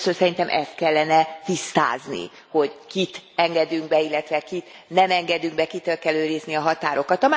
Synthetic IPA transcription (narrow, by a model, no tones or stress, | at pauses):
sønsɛɾint̪ɛmʔɛ̰st̪̚kɛlːɛnɛt̪ist̪a̰ːznḭ | ho̞ɟkit̪ɛŋɡɛd̪yŋɡ̚bɛilːɛt̪ʋɛkit̪ | nɛmɛŋɡɛd̪yŋɡbɛkit̪ølkɛløːɾizniɒɦɒt̪aːɾo̞kɒt̪ɒma